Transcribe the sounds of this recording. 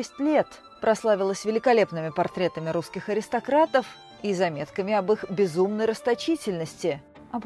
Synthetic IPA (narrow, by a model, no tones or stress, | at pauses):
ɛsʲtʲlʲe̞t̪ | pɾɐslˠavʲɪlˠəsʲvʲɪlʲɪkɐlʲe̞pnɨmʲɪpɐrt̪ɾʲe̞t̪əmʲɪɾuskʲɪxɐɾʲɪst̪ɐkɾat̪əf | izɐmʲe̞t̪kəmʲɪɐbɨxbʲɪzumnəjrəst̪ɐt͡ɕitʲɪlʲnəsʲtʲɪ | ɐp